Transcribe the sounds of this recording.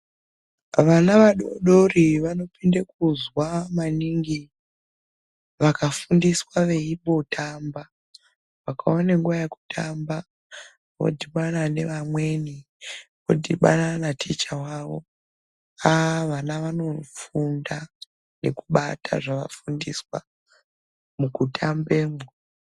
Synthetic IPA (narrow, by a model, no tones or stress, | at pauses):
ʋanaʋaɗoɗoriʋano̞pindakuzwamaniŋɡi | ʋakafundiswaʋe̞iɓo̞tʰamba | ʋakʰaoneŋɡuʋajeku̥tʰamba | ʋo̞̰dʱiɓanane̞ʋamwe̞ni | ʋo̞̰dʱiɓa̰nanatʰet͡ʃawaʋo̞̰ | aʋanaʋano̞funda | ne̞kuɓatʰa̰ʐaʋa̰fundiswa̰ | mukutʰambeːmo